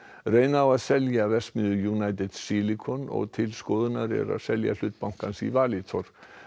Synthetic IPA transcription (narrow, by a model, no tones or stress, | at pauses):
rejnaawaðsɛljavɛsmʏːðʏjunajt̪ɪd̪̥silikʰɔnɔ̰ɣt̪ʰɪlskɔːðʏnaɾɛ̰ɾa̰ðsɛlja̰l̥ʏːt̪̚pawŋ̥kansḭvaːlit̪ʰɔɾ̥